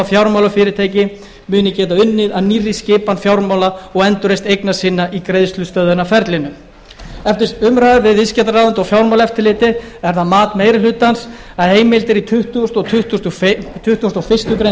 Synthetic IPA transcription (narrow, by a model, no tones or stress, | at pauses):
afjawɾmawlʏfɪːɾɪɾt̪ʰeːjcɪ | mʏːnɪcɛːt̪aʏnːɪðaðnirːiscɪːpanfjawɾmawlaɔɣɛnt̪ʏɾejst̪ejknḁsɪːnːaʔikɾejðst̪lʏst̪œðʏnafɛɾt̪lɪnʏ | ɛft̪ɪsʏmɾaːðɪvɪðɪscɛt̪ɾraːðʏnt̪ɔwfjawɾmawlɛft̪ɪɾlɪːt̪ɪɛɾ̥θaðmaːt̪meːjɾɪlʏt̪ːans | aðheːjmɪlt̪ɪɾit̪ʰʏht̪uʏst̪ɔt̪ʰʏht̪ust̪ʏt̪ʰʏht̪ʏɔst̪ɔɣfɪ̥st̪ʏkɾe